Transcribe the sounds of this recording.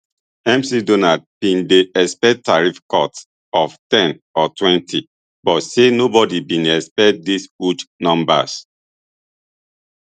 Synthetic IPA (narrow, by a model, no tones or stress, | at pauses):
ɛ̃msidonad̚b̥ĩndeɛspɛttaɹifkɔts | ɔftɛ̃nɔtwɛ̃ntʰi | bɔtsenobɔdibĩnɛspɛt̚d̪isut͡ʃnɔ̃mba̰s